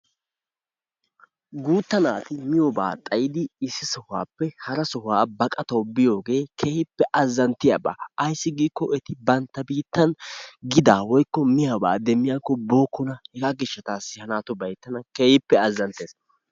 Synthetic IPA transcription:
ɡuːt̪ːɐnaːt̪ɪmɪjɔba̰ːt̪ʼɐjɪd̪ɪɪsːɪsɔhʊa̰ːpːɛhɐɾɐsɔhaːbɐkʼɐt̪ɐwbɪjo̞ːɡe̞ːkʰeːhɪpːɛʔɐzːɐnt̪ɪja̰ːba̰ːʔɐjsːɪɡiːkːɔʔɛt̪ɪbɐnt̪ːɐbiːt̪ːɐnɡɪd̪aːwɔjkːɔmɪjaba̰ːd̪ɛmːɪjaːkːɔbo̞ːkːʊnɐhɛɡaɡɪʃːɐt̪aːsːɪhɐnaːt̪ʊbɐjt̪ːɐnɐkeːhɪpːɛɐzːɐnt̪eːs

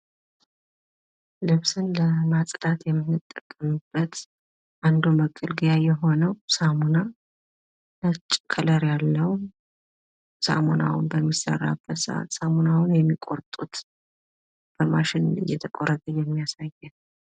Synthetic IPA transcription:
lɨβsɨnləmat͡sʼd̪at̪jɛmːɨnːɨt̪ʼːəkʼːəmɨbːət̪ | ʔand̪uməkʼːɨlɡɨjajɛɦo̞nəwsamuna | nət͡ʃʼːkʰələɾjalːəw | sa̰mona̰wʊnbəmːisə̰rːa̰b̥ːət̪sɨʔa̰t̪samunawʊnjɛmːikʼo̞ɾt̪ʼut̪ | b̥əmaʃɪnlɨ̰jːɛt̪ʰəkʼoɾət̪ʼəjɛmːijasajːɛn

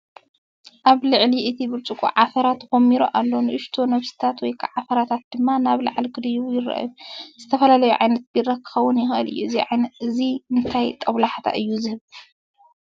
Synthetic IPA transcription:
ʔaβlɨʕliʔɨt̪ʰibɨɾt͡ʃʼukʼṵʕafɐɾat̪xomːiɾo̰ʔalːo̞nɨʔɨʃt̪ʰo̞nɐβsi̥t̪ʰat̪wɔjkʰaʕafɐɾat̪ʰat̪̚d̪̥ɨmːanaβlɐ̰ʕalɡɨd̪ɐjuβjɪrːɐ̰ʔjuzɨt̪ʰɐfɐlalɐjuʕajnɐt̪̚b̥irakʰːɨ̥xɐwːʊnjɪxʔɨ̰lɨ̰jːuɨziʕanɨziɨnt̪ʰajt̪ʼɐβlaħt̪ʰa̰ʔɨjːuzɨhɨβ

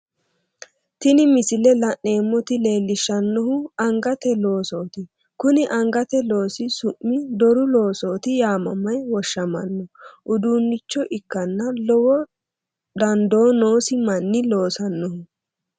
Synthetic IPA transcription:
t̪ɪnɪmɪsɪlɛlɐʔe̞ːmːɔt̪ɪle̞ːlːɪʃːɐnːɔhʊɐŋɡɐt̪ɛlo̞ːso̞ːt̪ɪ | kʊnɪʔɐŋɡɐt̪ɛlo̞ːsɪsʊʔːɪd̪ɔɾʊlo̞ːsoːt̪ɪjaːmɐ̰mːɐjwɔʃːɐmɐ̰nːɔʔʊd̪uːnːɪt͡ʃːɔʔɪkːɐnːɐlɔwɔ | d̪ɐnd̪o̞ːno̞ːsɪmɐnːɪlo̞ːsɐnːɔhʊ

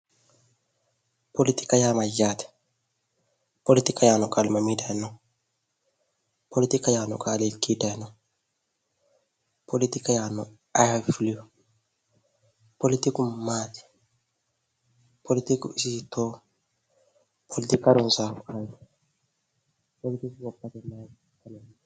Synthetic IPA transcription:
polit̪i̥kajamajat̪ɛ̥ | polit̪ikajanɔkalmamidanɔ | polit̪ikajanɔ̰kʼalekidanɔ | politikajanɔ | afliu | polit̪ikumati̥ | pʰolit̪ikusisito | pʰolit̪ikaɾɔnsakaj | polit̪ikikɔpːat̪ɛma | kanɛ

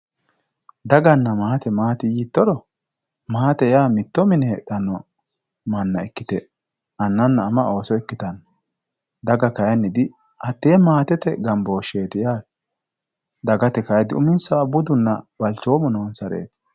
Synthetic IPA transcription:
d̪ɐɡɐnːɐmaːt̪ɛmaːt̪ɪjiːt̪ːɔɾɔ | maːt̪ɛjaːmɪt̪ːɔmɪnɛɛᶑɐnːɔ | mɐnːɐɛkːɪt̪ɛ | ɐnːɐnːɐːmɐo̞ːsɔɛkːɪt̪ɐn | d̪ɐɡɐkɐjɐnːɪd̪ɪ | ʔɐt̪ːeːmaːt̪ɛt̪ɛɡɐmboːʃe̞ːt̪ɪjaː | d̪ɐɡɐt̪ɛkɐjd̪ɪʊmɪnsɐɐbːʊd̪ʊnːɐb̥ɐlt͡ʃoːmɔnoːnsɐɾḛːt̪

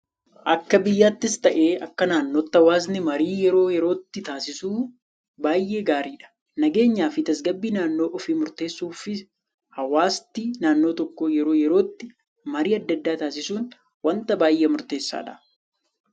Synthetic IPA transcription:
ʔɐkːɐbɪjːaːt̪ːɪst̪ɐʔe̞ːɐkːɐnaːnːo̞ːt̪ːɐwaːznɪmɐɾiːjɛɾo̞ːjɛɾo̞ːt̪ːɪt̪aːsɪsuː | baːjʔe̞ːɡaːɾiːᶑɐ̥ | nɐɡe̞ːɲːaːfɪt̪ɐsɡɐbːiːnaːnːo̞ːʔɔfiːmʊɾt̪e̞ːsːuːfɪ | hɐwaːst̪ːinaːnːo̞ːt̪ɔkːɔjɛɾo̞ːjɛɾo̞ːt̪ːɪ | mɐɾiːɐd̪ːɐd̪ːaːt̪aːsɪsuːn | wɐnt̪ɐbaːjʔeːmʊɾt̪e̞ːsːa̰ːᶑɐ̰

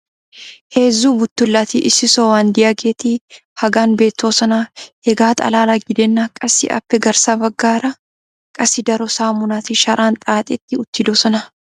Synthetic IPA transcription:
heːzːuːbʊt̪ːʊlːat̪ɪʔɪsɪsowaːnd̪ɪjɐɡeːt̪ihɐɡaːnbeːt̪ːo̞ːsɐnahɛɡaːt̪ʼɐ̰laːlaɡɪd̪ɛnːakʼɐsɪ̰ʔɐ̰pːɛɡɐɾsaːbɐɡːaːɾɐ | kʼɐsɪd̪ɐɾɔsaːmʊnaːt̪ɪʃɐɾʔaːnt̪ʼaːt̪ʼɛt̪ːɪʊt̪ːɪd̪oːsɐnɐ

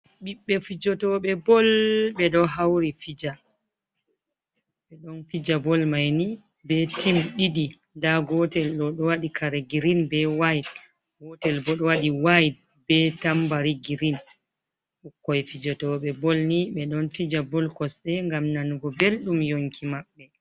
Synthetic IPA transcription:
ɓiɓːɛfid͡ʒɔtɔɓɛbɔlɓɛɗɔɦawɾifid͡ʒa | ɓɛɗɔnfid͡ʒabɔlmajni | bɛtimɗiɗi | ndaɡɔtɛlɗɔɗɔwaɗikʰaɾeɡiɾinbɛwajd | ɡɔtɛlbɔɗɔwaɗiwajd̚ | bɛtambaɾiɡiɾin | ʔukːɔjfid͡ʒɔtɔɓɛbɔlniɓɛɗɔnfid͡ʒabɔlkɔsɗɛŋɡamnanuɡɔbelɗumjoŋkʰimaɓːɛ

